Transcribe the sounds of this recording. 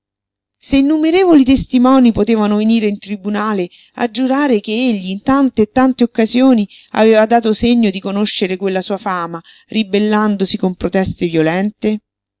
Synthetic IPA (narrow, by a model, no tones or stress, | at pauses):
seinːumeɾeːvolit̪est̪imɔːnipot̪eːvanoveniːɾeint̪ɾibunaːle | a̰d͡ʒːuɾaːɾek̟eeʎːiːnt̪ant̪eːt̪ːant̪eokːazjoːni | a̰veːvad̪aːt̪oseɲːod̪ikonoʃːeɾekwelːasuːafaːma | ribelːand̪osikompɾot̪ɛst̪evjolɛnt̪e